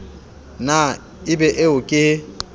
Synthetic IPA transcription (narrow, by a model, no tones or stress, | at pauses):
na | ɪbɛʔɪʊkʼɪ